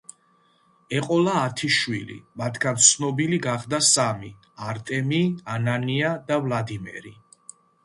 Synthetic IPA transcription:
ɛqʼɔlaːt̪ʰiʃwilḭmat̪ʰɡant̪sʰnɔbiliɡaχd̪asami | aɾt̪ʼɛmiananiad̪avlad̪imɛ̰ɾi

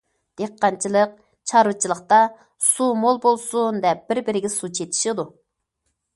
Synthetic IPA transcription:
d̪̥eqʰːɑnt͡ʃʰilˠəq̚ | t͡ʃʰɑɾɨt͡ʃʰilˠəχqt̪ɑ | sumolˠbolˠsund̪ɛp̚b̥ɪɾbɪɾɪɡʲɛsut͡ʃʰet̪ʰɪ̥ʃɪd̪u

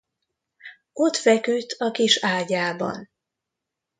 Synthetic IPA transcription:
o̞t̪fɛkyt̪ʰːɒkiʃaːɟaːbɒ̰n

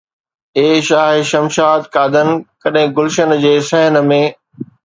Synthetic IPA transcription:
eːʃaːɦʃɐmʃaːt̪kaːd̪ənkɐɗɦɪ̃ɡʊlʃənd͡ʑeːsɐɦən̆mẽː

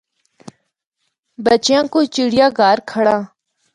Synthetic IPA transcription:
bət͡ʃjãːkoːt͡ʃiɽɪjãːɡaːɾkʰəɽãː

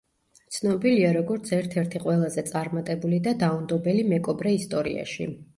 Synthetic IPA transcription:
t̪sʰnɔbiliaɾɔɡɔɾt̪sʰɛɾt̪ʰɛɾt̪ʰiqʼwɛlˠazɛt̪sʼaɾmat̪ʼɛbulid̪ad̪aumd̪ɔbɛlimɛkʼɔbɾɛist̪ʼɔɾḭa̰ʃḭ

